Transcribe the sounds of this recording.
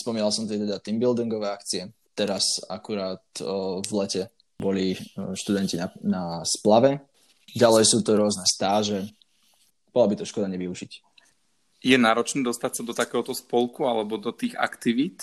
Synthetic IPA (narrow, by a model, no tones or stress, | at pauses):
spɔmiːnalsɔmt̪ɪɛt̪ɛd̪at̪imbild̪iŋɡɔʋɛːakt͡siɛ | t̪ɛɾasa̰kuɾaːt̪vlɛcɛ | bɔliʃt̪ud̪ɛncinanasplaʋɛ | ɟalɛjsuːt̪ɔɾʊɔznɛst̪aːʒɛ | b̥ɔlabit̪ɔʃkɔd̪aɲɛʋiuʒic | jɛnaːɾɔt͡ʃnɛːd̪ɔst̪acsad̪ɔt̪akɛːɦɔt̪ɔspɔlˠkualɛbɔd̪ɔt̪iːɣa̰kt̪iʋit̪